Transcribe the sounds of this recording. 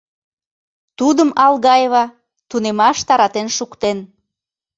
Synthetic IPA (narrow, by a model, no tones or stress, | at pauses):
t̪ud̪əmɑlɣɑjeβɑ | t̪unemɑʃt̪ɑɾɑt̪enʃukt̪en